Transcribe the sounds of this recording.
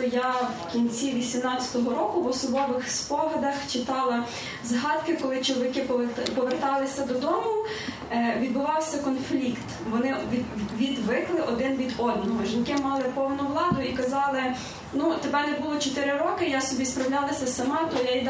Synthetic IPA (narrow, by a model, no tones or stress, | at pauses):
ɔjawkʲinʲt͡sʲiʋʲisʲimnɑt͡sʲɐ̥t̪ɔɦɔɾɔkʊʋɔsɔbɔʋɪxspɔɦɐd̪ɐxt͡ʃɪt̪ɑlˠɐ | zɦɑd̪kɪkɔlˠɪt͡ʃɔlˠʋʲɪkɪppɔʋert̪ɑlˠɪsʲɐd̪ɔd̪ɔmʊ | ʋʲid̪bʊʋɑwsʲɐkɔnflʲikt̪ | ʋɔnɪʋʲid̪ʋɪklˠɪʔɔd̪ɪnʋʲid̪ɔd̪̚nɔɦɔʒinkɪmɑlˠɪpɔwnʊʋlˠɑd̪ʊikɐzɑlˠɪ | nut̪ebɛnɛbulˠɔt͡ʃɔt̪ɪɾɪɾɔkɪjasɔbʲispɾɐwlʲɑlˠɐsʲɐsɐmɑt̪ɔjajd̪